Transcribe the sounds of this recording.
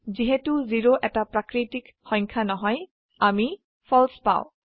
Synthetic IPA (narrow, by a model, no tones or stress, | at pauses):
ziɦɛtuziɹoʔɛtapɹakɹitik | xɔ̃jŋkʰanɔɦɔj | ami | fʰɔlspa̰w̃